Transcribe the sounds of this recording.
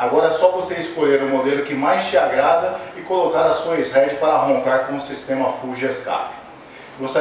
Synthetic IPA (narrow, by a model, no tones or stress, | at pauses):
aɡɔɾɐɛsɔvoseɪskoʎeɾũmod̪elʊkɪmajst͡ʃɪaɡɾad̪ɐɪkolokaɾɐsuɐezɦɛd͡ʒɪpaɾɐaɦõŋkaɾkõũsist̪ẽmɐfuʒɐska̰pɪ̥ | ɡost̪a